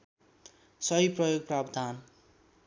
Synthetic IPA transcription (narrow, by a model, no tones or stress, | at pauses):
sʌɦiprʌjoɡ̚prabd̪ʱan